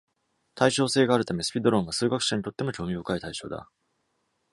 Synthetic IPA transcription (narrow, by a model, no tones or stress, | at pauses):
t̪ʰaiɕo̞ːse̞ːɡaːɾɯ̟t̪ame̞sɨ̥pʲid̪o̞ɾõ̞ɰ̃βasɨːɡakɯ̟̥ɕaɲit̪o̞t̪ːe̞mo̞kʲo̞ːmʲiokait̪aiɕo̞ːd̪a̰